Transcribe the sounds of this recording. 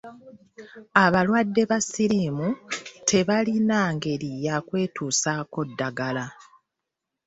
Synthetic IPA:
aβalwadːe̞βasiɾimutʰe̞βalinaːŋɡe̞ɾijakwe̞ːtʰuːsaːko̞dːaɡala

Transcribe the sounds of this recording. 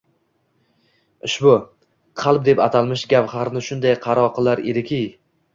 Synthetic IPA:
ɪʃbʊ | qʰɑlˠp̚d̪e̞pat̪ʰalˠmɪʃɡʲaphaɾnɪʃʊnd̪ajqʰɑɾɒqʰɨlˠaɾḛd̪ɪkʲʰij

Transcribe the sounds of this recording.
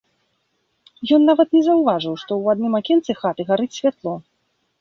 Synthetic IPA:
jɔnːavɐt̪nʲɛzɐwvaʐɨwʂt̪ɔwad̪nɨmakʲɛnt̪sɨxat̪ɨɣaɾɨt͡sʲsʲvʲat̪lˠɔ

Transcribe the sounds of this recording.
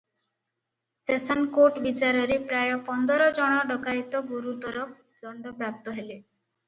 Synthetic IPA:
sesɔnkoʈbit͡ʃaɾɔɾepɾajɔpɔnd̪ɔɾɔd͡ʒɔɽ̃ɔɖɔkajt̪ɔɡuɾut̪ɔɾɔ | d̪ɔɳɖɔpɾap̚t̪ɔɦele

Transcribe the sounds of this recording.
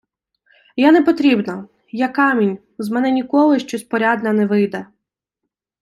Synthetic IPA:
jɛnɛpɔt̪ɾʲibnɐ | jɛkɑmʲinʲ | zmɛnɛnʲikɔlˠɪʃt͡ʃɔspɔɾʲɑd̪nɐnɛʋɪjd̪ɛ

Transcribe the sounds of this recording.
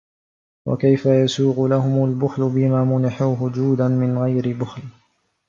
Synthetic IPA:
wa̰kajfajasuːɣʊlaɦʊmalbʊxlʊbɪmaːmʊnɪħuːɦʊd͡ʒuːd̪anmɪnɣajɾɪbʊxl

